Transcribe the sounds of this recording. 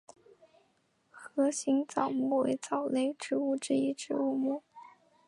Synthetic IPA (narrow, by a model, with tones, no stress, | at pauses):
xɤ˧˥ɕi˧˥ŋt͡sɑ˨˩ʊmu˥˩we˧˥ɪt͡sɑ˨˩ʊle˥˧ɪʈ͡ʂɻ̩˧˥u˥˧ʈ͡ʂɻ̩˥˧i˥˩ʈ͡ʂɻ̩˧˥u˥˩mu˥˩